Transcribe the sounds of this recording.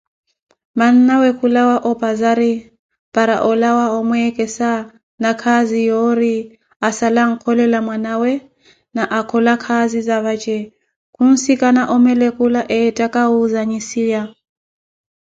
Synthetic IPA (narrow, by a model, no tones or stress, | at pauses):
man̩nawɛkʰulawaʔɔpʼazaɾi | pʼaɾa̰ʔɔlawaɔmwɛkʼɛsa | nakʰazijɔɾi | asalaŋ̩kʰɔlɛlamwanawɛ | naʔakʰɔlakʰazizaβat͡ʃʼɛ | kʰun̩sikʼanaʔɔmɛlɛkʼulaʔɛtʼakʼauzaɲisija